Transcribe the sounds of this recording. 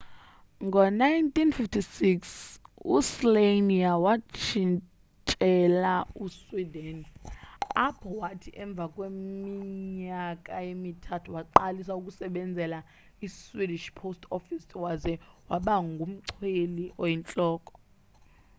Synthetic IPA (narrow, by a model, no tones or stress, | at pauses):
ŋɡʱɔnajntʰʼinfiftʰisiksusleniawat͡ʃʰin | t͡ʃʼɛlauswidɛn | apʰɔwatʰiʔɛɱb̪vʱakʼwemiɲakʼajemitʰatʰuwaǃalisaukʼusɛɓɛnd͡zʱɛla | iswidiʃpʰostʰɔfisʰwazɛwaɓaŋɡʱum̩ǀʰweliʔɔjint͡ɬʼɔːkʼɔ̥